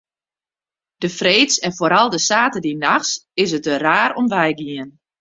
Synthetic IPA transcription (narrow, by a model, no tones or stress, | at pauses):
d̥əfreːtsɛnfoɾɑlˠdəsaːtədinaxsɪsət̚əraːɾɔmʋɛjɡiən